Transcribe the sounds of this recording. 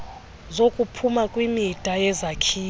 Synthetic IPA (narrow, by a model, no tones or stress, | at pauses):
zokʼupʰumakʼwimid̥ʱajɛzakʰiː